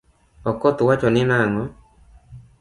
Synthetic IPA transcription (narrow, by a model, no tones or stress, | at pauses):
ɔkɔt̪wat͡ʃɔnɪnaŋɔ